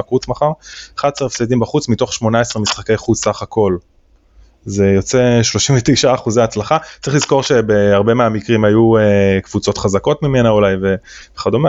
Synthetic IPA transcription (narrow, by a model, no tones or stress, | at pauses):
aχut͡smaχaʁaχad̚seefsed̪imbaχut͡smit̪o̞χʃmo̞naesʁemisχake̞jχudsaχakʰo̞l | ze̞jo̞t͡se̞ʃlo̞ʃimvet̪ejʃaːχuzeaːt͡slaχatt͡saʁiχliz̥ko̞ʁʃe̞beaʁbe̞meamikʁimajuekv̥ut͡so̞t̪χazako̞tmime̞naulajve̞veχad̪ome